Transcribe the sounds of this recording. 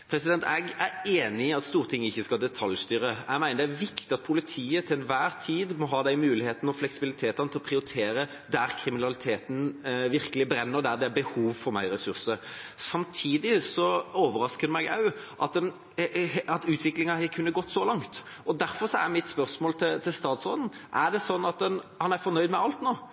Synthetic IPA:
pʰɾɛsɪd̪ɛnt̪ʰɛɡæɾeːnɪɪɑt̪st̪uːɾət̪ʰɪŋːəɪçːəskɑld̪ɛt̪ʰɑljst̪yːɾəæɡmæɪnəɾd̪æʋɪkt̪ɪɑt̪̚pʰʊlɪt̪ʰiːət̪ʰɪlɛnʋæːʁt̪ʰiːd̪mɔɦɑːd̪æɪmʉːlɪheːt̪nɔflɛksɪbɪlɪt̪ʰeːt̪ɑnət̪ɪlɔpʰɾɪʊɾɪt̪ʰeːɾə | d̪æɾkʰɾɪmɪnɑlɪt̪ʰeːt̪n̩ʋɪɾkəlɪbɾɛnːəʁd̪æɾd̪ɛæɾbəhuːʋfɔɾmæɪɾɛsʉʁsəsɑmt̪ʰiːd̪ɪsɔoːʋəɾɑskəd̪əmæɡɑʉ | ʔɑt̪̚d̪ɛn | ɑt̪ʉːt̪ʰʋɪklɪŋɑhɛkʰʉnːəɡɔt̪ːsɔlɑŋt̪ | ɔd̪æɾfɔɾsɔæ̰ɾmɪt̪spœɾsmoːlt̪ʰɪlt̪ʰɪlst̪ɑːt̪sʁoːd̪n̩ʔæd̪ɛsɔnːɑt̪̚d̪ɛnhɑnæɾfɔɾnœʏd̪mɛɑlt̪noː

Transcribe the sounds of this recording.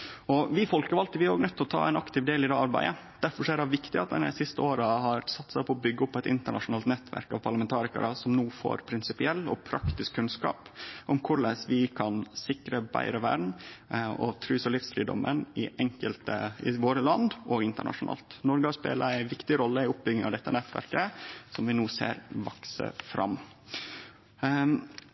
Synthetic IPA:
ɔʋɪfɔlkəɾɑlt̪əʋɪæɾoːɡnœt̪ʰːlɔt̪ʰɑ̰ːæ̰ɛɪnɑkt̪ɪʋd̪eːlɪd̪ɛːɑɾbæ̰ɪə | d̪̥æɾfɔʂæːɾɑʋɪkt̪ɪɑ̰t̪d̪ɛ̰nɛ̰sɪst̪əoːɾəhɑɾsɑt̪ːsæɪpʰɔɔbʏɡːəɔpːɛɪt̪ɪ̰nt̪əɳɑʂʊnɑːlt̪nɛt̪ʰʋæ̰ɾkɑ̰ʋpʰɑɭəmɛnt̪ʰɑːɾɪkə̰ɾəsɔmnuːfo̰ːɾpʰɾɪnsɪpɪɛlːɔ̰pʰɾɑkt̪ɪskʰːʉnskɑ̰ːpʔɔmkʰʊɭəsʋɪkʰɑnsɪkɾəbæ̰ɪɾəʋæ̰ɾɳ | ɔ̰t̪ʰɾʉːsəlɪfsfɾiːd̪ɔ̰mənɪʔɛŋkəlt̪əɪʋoːɾəlɑnd̪ʔɔɡɪnt̪əɳɑ̰ʂʊnɑ̰ːlt̪nɔɾɡəɑspḛːləæɪʋɪkt̪ɪɾɔlːəɪʊp̚bʏɡ̪ɪŋɑʋd̪ɛt̪ːənɛt̪ːʋæ̰ɾkəsɔmʋɪnuːsḛːɾʋɑksə̰fɾʔɑ̰m

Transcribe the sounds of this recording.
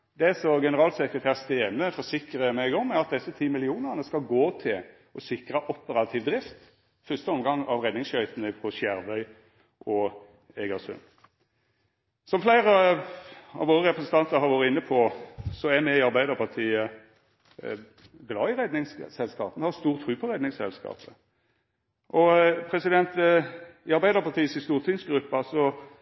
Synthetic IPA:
d̪ɛsɔɡɛnəɾɑːlsəkɾət̪ʰæːʁst̪eːnəfɔɾsɪkɾəmɛɡɔmɛɾɑt̪̚d̪ɛsət̪ʰiːmɪlɪuːnəʁnəskɑlɡoːt̪ʰɪl | ɔsɪkɾɑʔɔpəɾɑt̪ʰiːʋd̪ɾɪft̪ | fœst̪əɔmɡɑŋɑʋɾɛd̪nɪŋsʃœʏt̪ənəpʰɔsjæɾʋœʏ | ʔɔ | eːɡəsʉ̰n | sɔmflæɪɾə | ɑ̰ʋoːʁəʁɛpʰɾɛsən̩t̪ɑnt̪əɾɦɑɾʋoːɾəɪnːəpʰɔsɔæmɛɪɑɾbæɪd̪əɾpʰɑʁt̪ʰiːə | ɡlɑːɪʁɛd̪nɪŋssɛlskɑ̰ːpənhɑst̪uːʁt̪ʰɾʉːpʰɔɾɛd̪nɪŋsɛlskɑ̰ːpə | ʔɔpʰɾɛsɪd̪ɛnt̪ | ɪɑɾbæɪd̪əɾpʰɑt̪ʰiːəshɪst̪uːʁt̪ʰiːnsɡɾʉpːəɑlsɔ

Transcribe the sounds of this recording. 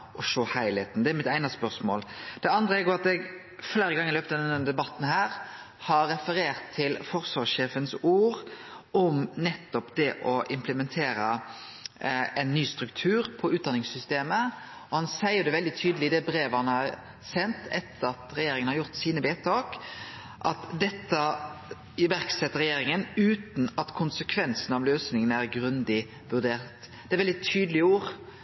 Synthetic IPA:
ʔɔʂoːhæɪleːt̪n̩d̪ɛæɾmɪt̪æɪnɑspœʁsmo̰ːld̪̥ɛɑnd̪ɾəɛɡoːɾɑt̪ɛɡ | fleːɾəɡɑŋːɪløːpt̪ɑd̪ɛnːəd̪ɛbɑt̪ːn̩hæːɾ | hɑɾːɛfəɾeːʁt̪ʰːɪlfɔʁsʋɑʂeːfənsuːɾʔɔmnɛt̪ːɔpd̪ɛʔɔʔɪmpləmɛnt̪ʰeːɾə | ɛnːyːst̪ɾʉkt̪ʰʉːɾpʰɔʉːt̪̚d̪ɑnɪŋsʏst̪eːmə | ɔhɑnsæɪəd̪ɛʋɛld̪ɪt̪ʰyːd̪əlɪd̪ɛbɾeːʋəhɑnəɑɾ | sɛnt̪ɛt̪ʰːəɾɑt̪ɾɛjeːɾɪŋənhɑɾjʊɾt̪siːnəʋeːt̪ʰɑːk | ʔɑt̪d̪ɛt̪ːə | ʋæɾksɛt̪ːəɾɛjeːɾɪŋənʉːt̪n̩ɑt̪kʰʊnsəkʰʋɛnsən̩ɑʋløːsnɪŋənæɾɡɾʉnd̪ɪ | ʋʉʁd̪eːʁt̪ | d̪ɛæɾʋɛld̪ɪt̪ʰyːd̪lɪuːɾ

